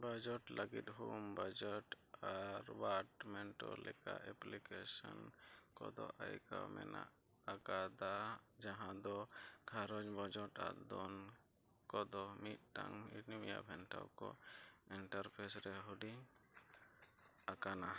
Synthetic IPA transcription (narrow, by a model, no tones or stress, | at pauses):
bad͡ʒɔʈlʔəɡit̪̚ɦumbad͡ʒɔʈ | aɾwaʈmɛɳʈɔlɛkaʔɛplikesɔnkɔd̪ɔʔajkawmɛ̰naʔ | akad̪ad͡ʒaɦãd̪ɔkʰaɾɔd͡ʒbad͡ʒɔʈaʔd̪ɔn | kɔd̪ɔmit̪̚ʈaŋinimijabʱɛnʈawkɔiɳʈaɾpʰɛsɾɛɦuɖiŋ | akana